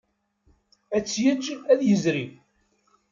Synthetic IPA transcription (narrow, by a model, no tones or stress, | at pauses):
æt͡sːjəd͡ʒæðjəzɾi